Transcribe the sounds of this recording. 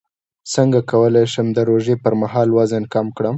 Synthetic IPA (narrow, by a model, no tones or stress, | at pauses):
səŋɡakawəlajʃəmd̪əɾoʒepəɾmaɦɑlwazənkamkɽəm